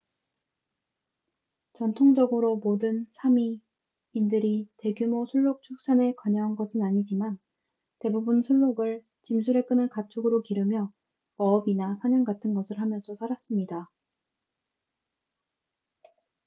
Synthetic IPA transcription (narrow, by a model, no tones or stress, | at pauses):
t͡ɕʌntʰoŋd͡ʑʌɡɯɾomodɯnsʰamiː | ndɯɾite̞ɡjumosʰuɭːok̚t͡ɕʰok̚s͈ane̞kwaɲʌɦanɡʌsʰɯnaɲid͡ʑiman | te̞bubunsʰuɭːoɡɯɭ | t͡ɕimsʰuɾe̞k͈ɯnɯnkat͡ɕʰuɡɯɾokiɾɯmjʌ | ʌbinasʰaɲʌnɡatʰɯnɡʌsʰɯɭhamjʌnsʰʌsʰaɾas͈ɯmɲida